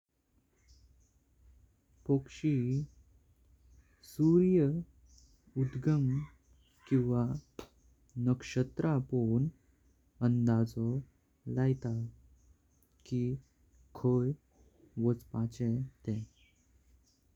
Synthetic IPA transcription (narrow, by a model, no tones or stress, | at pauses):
pəkʂi | suɾjə | ud̪ɡəm | kĩw̃ʋa | nəkʂət̪ɾapoɳ | ənd̪ad͡zɔ | lajt̪a | ki | kʰəj | ʋət͡spat͡ɕɛt̪ɛ̃